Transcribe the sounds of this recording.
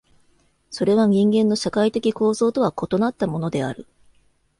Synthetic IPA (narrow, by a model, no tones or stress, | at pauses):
so̞ɾe̞β̞aɲ̟ĩŋɡẽ̞nːo̞ɕakait̪e̞kʲiko̞ːzo̞ːt̪o̞β̞ako̞t̪o̞nat̪ːamo̞no̞d̪e̞a̰ɾɯ̟